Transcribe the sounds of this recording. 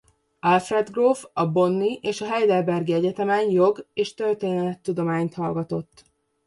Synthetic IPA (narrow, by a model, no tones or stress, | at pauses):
ɒlfrɛd̪ɡroːfɒbo̞nːiʔeːʃɒɦɛjd̪ɛlbɛrɡiɛɟɛt̪ɛmɛɲjo̞ɡeːʃt̪ørt̪eːnɛlɛt̪ːud̪o̞maːɲt̪hɒlɡɒt̪o̞t̪ː